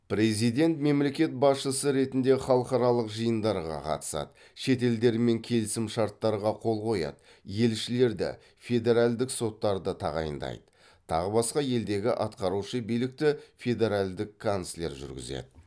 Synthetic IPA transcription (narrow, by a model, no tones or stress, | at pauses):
pɾe̞zijd̪e̞nt̪me̞mle̞kʲe̞t̪̚bɑsʃəsəɾe̞t̪ɪnd̪eχɑlˠəqɑɾɑlˠəqʒəjənd̪ɑɾʁɑ̰qʰɑ̰t̪ə̥sɑ̰d̪ə | ʃe̞t̪e̞ld̪e̞ɾme̞ŋkʲʰe̞lɪsɪmʃɑɾt̪ːɑɾʁɑqʰo̞lˠqo̞jɑ̰d̪̥ə | je̞lʃɪle̞ɾd̪ɪ̰ | fʲe̞d̪e̞ɾalʲd̪ɪkso̞t̪ːɑɾd̪ət̪ʰɑʁɑ̰jə̰nd̪ɑ̰jd̪ə̥ | t̪ʰɑ̰ʁəbɑsqɑje̞ld̪e̞ɡʲɪʔɑt̪qɑɾuʃəbijlɪk̚t̪ɪfʲe̞d̪e̞ɾalʲd̪ɪkʰːonslʲe̞ɾʒʏ̰ɾɡʲɪ̰ze̞̰d̪ɪ